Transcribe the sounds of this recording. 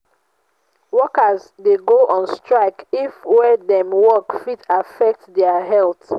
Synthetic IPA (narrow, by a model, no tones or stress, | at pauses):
wɔkəzdeɡoʔɔ̃nstɹaɪkifwɛdɛ̃mwɔkfitafɛk̚tdɛaɦɛlˠt